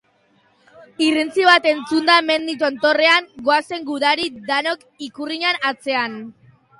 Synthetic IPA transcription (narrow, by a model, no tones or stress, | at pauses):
irint͡siβat̪e̞nt͡sund̪ame̞nd̪it̪̬ont̪o̞re̞aŋɡoase̞ŋɡuðaɾid̪anok | ikuriɲanat͡se̞an